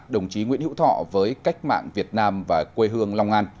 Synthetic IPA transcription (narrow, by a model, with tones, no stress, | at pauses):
ɗə˨˩wŋ͡mt͡ɕi˨˦ŋwi˧ənhḭ˧˥wt̪ʰɔ̰˧˨vəː˨˦jka˦˥jk̟̚ma̰ː˧˨ŋvi˨˩ət̚naː˧mvaː˨˩kwe˧ɦɨ˧əŋla˧wŋ͡mʔa˧n